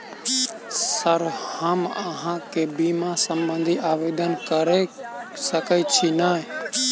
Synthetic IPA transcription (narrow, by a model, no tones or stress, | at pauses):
səɾhəmə̰ɦãkebimãsə̃mbə̃nd̪ʱiʔaːʋeːd̪ənkəɾesəkət͡ʃʰinae